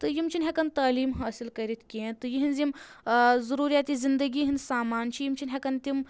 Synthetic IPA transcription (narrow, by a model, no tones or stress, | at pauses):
t̪ɨjimt͡ʃʰinʲɦʲekɐnt̪aːliːmɦaːsilkɐɾit̪kʲẽt̪ɨjiɦinzim | zɐɾuːɾjaːt̪izind̪əɡiːɦinsaːmaːnt͡ʃʰijimt͡ʃʰinʲɦʲekɐnt̪im